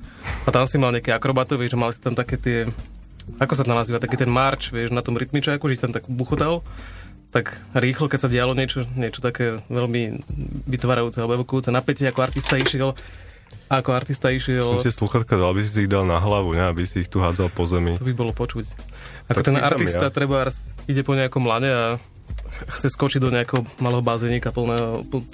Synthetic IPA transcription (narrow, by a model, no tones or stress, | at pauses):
at̪amsimalɲɛakɛakɾɔbat̪ɔʋɪɛʒamalsit̪amt̪akɛːt̪ɪɛ | akɔs̬at̪anmnaziːʋat̪akiːt̪ɛnmaɾt͡ʃʋɪɛʒnat̪ɔmɾit̪mit͡ʃaːkuʒɛiçt̪amt̪akbuxɔt̪al | t̪akɾiːxlɔkɛc̚saɟɪalɔɲɪɛt͡ʃɔɲɪɛt͡ʃɔ̥t̪akɛːʋɛʎmiʋit̪ʋaːɾajuːt͡sɛalɛbɔɛʋɔkɔjuːt͡sɛnapɛcɛakɔaɾt̪ist̪aiʃɪɛl | aakɔaɾt̪ist̪aiʃɪɛlltɛsluxat̪kad̪albisis̬iːɣd̪alnaɦlaʋuɲɛabisiːxt̪uɦaːd͡zalpɔzɛmit̪ɔbibɔlɔpɔt͡ʃuc | akɔt̪ɛnʔa̰ɾt̪isat̪ɾɛbaɾasiɟɛpɔɲɛakɔmlaɲɛa | xt͡sɛskɔt͡ʃiɟd̪ɔɲɛakɛɦɔmalɛːɦɔbazɛɲiːkapl̩ˠnɛːɦɔp